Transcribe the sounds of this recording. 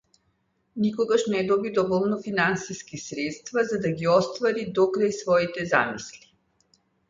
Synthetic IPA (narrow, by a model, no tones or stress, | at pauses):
nikɔɡaʃnɛd̪ɔbid̪ɔvɔlˠnɔfinansiskisɾɛt̪st̪vazad̪aɡiɔst̪vaɾid̪ɔkɾajsvɔit̪ɛzamisli̥